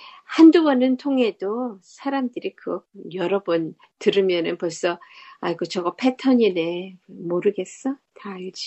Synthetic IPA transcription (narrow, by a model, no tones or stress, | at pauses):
handuwʌnɯntʰoŋɦe̞dosʰaɾamdɯɾikɯɡʌjʌɾʌbun | tɯɾɯmjʌnɯnpoɭs͈ʌaiɡot͡ɕʌɡʌpʰe̞tʰʌɲine̞moɾɯɡe̞s͈ʌtaid͡ʑi